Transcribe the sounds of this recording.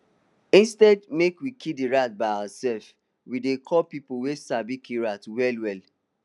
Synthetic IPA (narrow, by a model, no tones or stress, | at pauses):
ĩnstɛdmekwikʰidiɹat̚baɪawasɛlf | widekʰɔpipowesabikʰiɹatwɛlwɛl